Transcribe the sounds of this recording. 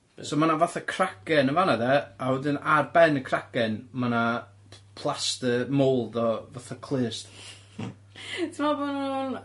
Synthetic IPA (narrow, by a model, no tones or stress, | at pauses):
somanavaθakʰrakɛnəvanaðɛawɛdɪnarbɛnəkʰrakɛnmana | pʰlˠastəmowlˠdɔvaθakʰlˠɨːst | tʰəmɔbɔnun